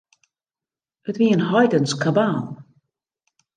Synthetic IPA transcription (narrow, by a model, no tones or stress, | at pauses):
ətʋiənɦɔjdənskabaːlˠ